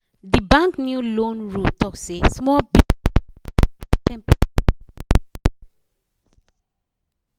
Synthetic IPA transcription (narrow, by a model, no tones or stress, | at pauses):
dibãnknjulõnɹutɔksesmɔbi | tɛ̃mp